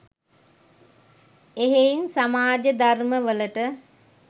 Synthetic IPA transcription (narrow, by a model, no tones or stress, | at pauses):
eɦeinsamaːd͡ʒəd̪arməʋələʈə